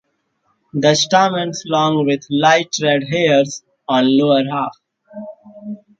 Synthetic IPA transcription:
d̪əsʈaːmə̃nslɔ̃ːŋɡʋɪd̪laɪʈɾɛɖɦeːəɾs | ɔ̃ːnloːəɾɦaːf

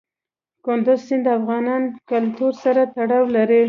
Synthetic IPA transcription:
kʊnd̪ʊzsɪnd̪əafɣɑnɑnkalt̪uɾsaɾat̪aɽɑwlaɾe

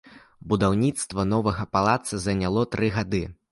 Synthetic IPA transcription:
bud̪awnʲit̪st̪vɐnɔvɐɣɐpalˠat̪sɐzɐnʲalˠɔt̪ɾɨɣad̪ɨ

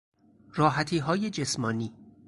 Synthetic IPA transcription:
ɾɒːɦæt̪ʰiːɦɒːjed͡ʒe̞smɒːniː

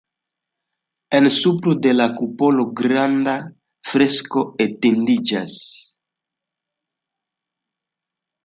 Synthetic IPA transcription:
ensupɾud̪elakupoloɡɾand̪a | fɾeskoet̪ind̪id͡ʒas

